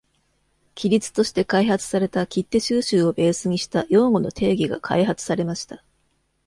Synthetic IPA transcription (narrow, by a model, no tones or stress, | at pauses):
kʲiɾʲit͡sɨ̥t̪o̞ɕi̥t̪e̞kaihat͡sɨ̥saɾe̞t̪akʲit̪ːe̞ɕɨːɕɨːo̞be̞ːsɨɲ̟iɕi̥t̪ajo̞ːŋɡo̞no̞t̪ʰe̞ːɡʲiɡa̰kʰa̰iɦat͡sɨ̥saɾe̞maɕi̥t̪ḁ